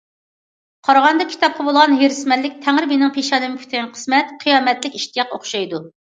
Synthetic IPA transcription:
qʰɑɾʁɑnd̪ɑkʲʰi̥t̪ʰɑp̚qʰɑbolˠʁɑnɦeɾɪsmɛlːɪk̚ʲt̪ʰæŋɾɪmenɪŋpʰeʃɑnɨmɪkʲʰy̥t̪ʰnqʰə̥smɛt̪qʰɨjɑːmɛt̪lɪkʲiʃt̪ijɑqoχʃɑjd̪u

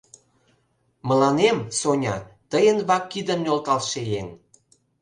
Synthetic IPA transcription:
məlɑnemsonʲɑ̰t̪əjənβɑkːid̪əmnʲolt̪ɑlʃejen

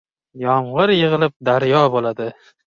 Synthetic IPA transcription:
jɒmʁɨɾjɨʁɨlˠɪp̚d̪aɾjɒbolad̪ɪ

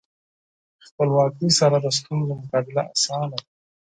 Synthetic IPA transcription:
xpəlwɑːkisaɾad̪əs̬t̪und̪omʊkɑbɪlaa̰sɑːna

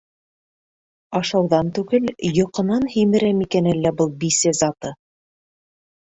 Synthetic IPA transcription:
ɑʃɑwðɑnt̪ʉɡɘljŏqɤ̆nɑnhimɘ̆ɾæmikænɘlːæbɤlˠbisɘzɑt̪ɤ

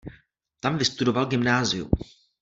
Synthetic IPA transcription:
t̪amvɪst̪udo̞valɡɪmnaːzɪṵm

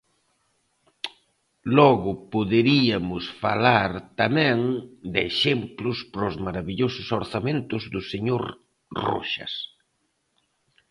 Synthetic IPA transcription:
lɔɣʊpoðeɾiɐmʊsfalaɾt̪amɛ̃ŋd̪eʃemplʊspɾʊzmaɾaβiʎosʊsoɾθamẽnt̪ʊzd̪ʊseɲoɾ | ro̰ʃɐ̰s

